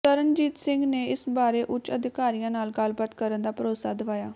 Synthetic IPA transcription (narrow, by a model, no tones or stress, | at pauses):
t̪əɾənd͡ʒiːt̪sɪ̃ŋɡneːɪsbaːɾeːʔʊt͡ʃəd̪ɪkaːɾijãːnaːlɡəlbət̪kəɾənd̪aːpəɾoːsaːd̪əʋaːjaː